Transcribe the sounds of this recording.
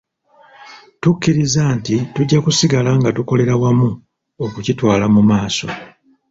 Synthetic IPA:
tukːiɾizaːntituɟːakusiɡalaŋɡatuko̞le̞ɾawamu | okucitwaːlamumaːso̞̰

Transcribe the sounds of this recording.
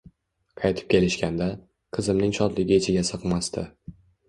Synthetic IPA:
qʰɑjt̪ʰɪ̥p̚kʲe̞lɪʃkʲand̪a | qʰɨzɪmnɪŋʃɒd̪lɪɡʲɪet͡ʃʰɪɡʲasɨqmast̪ʰɪ

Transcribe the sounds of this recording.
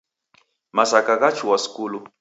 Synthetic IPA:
masakakat͡ʃʰuwasi̥kulu

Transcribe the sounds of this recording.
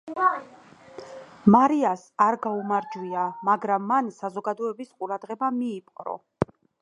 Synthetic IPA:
maɾiasaɾɡaumaɾd͡ʒwiamaɡɾamːansazɔɡad̪ɔɛbisqʼuɾad̪ʁɛbamiːpʼqʼɾɔ̰

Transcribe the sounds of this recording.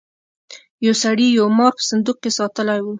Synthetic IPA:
jawsaɽijawmɑɾpə̥sand̪uqkesɑt̪əlawu

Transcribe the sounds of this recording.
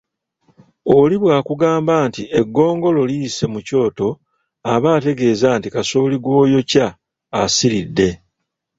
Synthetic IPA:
oliβwaːkuɡaːmbaːntieɡːo̞ːŋɡo̞lo̞liːse̞muco̞ːto̞ | aβaːte̞ɡe̞ːzaːntikasoːliɡwo̞ːjo̞caː | siɾidːe̞

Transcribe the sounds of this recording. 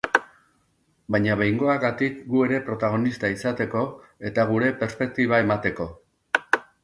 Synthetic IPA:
bajɲaβejŋɡo̞aɣat̪ikɡue̞ɾe̞pɾo̞t̪aɣ̞o̞nist̪aisat̪e̞ko̞ | e̞t̪aɣ̞uɾe̞pe̞ɾspe̞k̚t̪iβ̞ae̞mat̪e̞ko̞

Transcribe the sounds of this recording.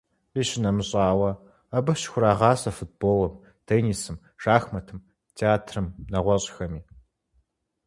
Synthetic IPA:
iːʃɪnɐmɨɕʼɑːwɐ | ɐbɨɕxʷʊɾaːʁɑːsɐfut̚b̥oːlɐm | tʰeːnisɨm | ʂaːxmɐtʰɨm | tʰeaːtʰrɨmnɐʁʷɔɕʼxɐmiː

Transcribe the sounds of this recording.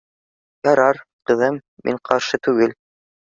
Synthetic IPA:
jɑɾɑɾqɤ̆ðɤmːḭɴqʰɑɾʃɤt̪ʉɡɘl

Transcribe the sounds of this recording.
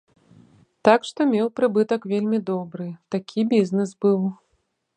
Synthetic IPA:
t̪akʂt̪ɔmʲewpɾɨbɨt̪ɐkvʲelʲmʲid̪ɔbɾɨt̪akʲʰibʲiznɨsbɨw

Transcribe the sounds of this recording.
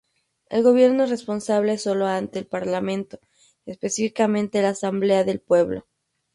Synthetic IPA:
e̞̰lɣo̞βje̞ɾnorespo̞nsaβle̞so̞lo̞ant̪e̞ːlpaɾlamẽ̞nt̪o̞ | espe̞sifikamẽnt̪elaːsamble̞aðe̞lpwe̞βlo̰

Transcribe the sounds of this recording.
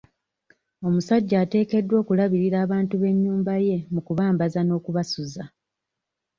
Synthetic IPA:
o̞musaɟːaːte̞ːke̞dːwo̞ːkulaβiɾiɾaːβaːntuβe̞ɲːuːmbaje̞mukuβaːmbazano̞ːkuβasuza

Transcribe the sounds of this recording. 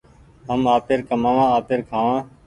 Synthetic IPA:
ɦəmaːpeːɾkəmãːʋãːaːpeːɾkʰaːʋãː

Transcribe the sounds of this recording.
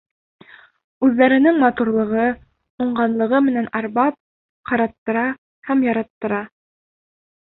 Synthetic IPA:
ʉðːæɾɘ̆nɘŋmɑt̪uɾlˠɤ̆ʁɤ | uɴɢɑnlˠɤ̆ʁɤmɘ̆nænɑɾbɑp̚ | qɑɾɑt̪ːɤ̆ɾɑ | hæmjɑɾɑt̪ːɤ̆ɾɑ

